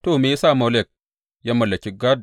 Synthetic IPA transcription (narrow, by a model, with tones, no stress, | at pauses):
to˦˨me˦sa˦˨mo˨˦le˦˨k̚ | ja˦mɐ˨lːɐ˨kʲi˦ɡa˦d